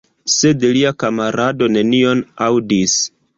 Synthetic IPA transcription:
se̞dliakamaɾado̞ne̞nio̞nawdis

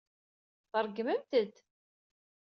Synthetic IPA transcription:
θəɾˤɡəməmt̪əd̪

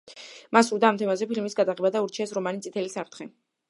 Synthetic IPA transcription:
masuɾd̪aːmt̪ʰɛmazɛpʰilmisɡad̪aʁɛbad̪auɾt͡ʃʰiɛsɾɔmanit̪sʼit̪ʰɛlisapt̪ʰχɛ

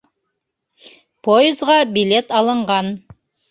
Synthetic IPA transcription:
pʰoɪzʁɑbʲilʲet̪ɑlˠɤ̆ɴʁɑn

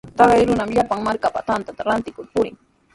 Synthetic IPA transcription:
t̪ɑɢɑjɾʊnamʎapaŋmaɾkapat̪ant̪at̪aɾant̪ɪkʊɾpʊɾɪ̰ŋ

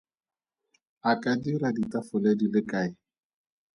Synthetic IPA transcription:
akʼadiraditafʊledilɪkʼaːɪ

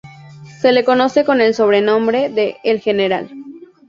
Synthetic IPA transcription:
se̞leko̞no̞se̞ko̞ne̞lso̞βɾenõ̞mbɾe̞ðeːlxeneɾa̰l

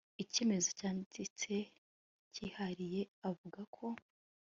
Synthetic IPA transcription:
iceːme̞zocaːnzit͡se̞ | cihaɾije̞avuɡakʰo̞

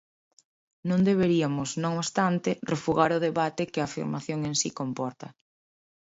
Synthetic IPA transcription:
nõnd̪eβ̞eɾiamʊsnõŋoβst̪ant̪erefuɣaɾʊð̞eβat̪ekɪafḭɾmaθjoŋensikompɔɾt̪ɐ

